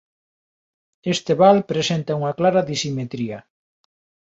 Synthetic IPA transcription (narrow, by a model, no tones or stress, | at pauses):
est̪eβalpɾesent̪ɐuŋɐklaɾɐðisimet̪ɾiɐ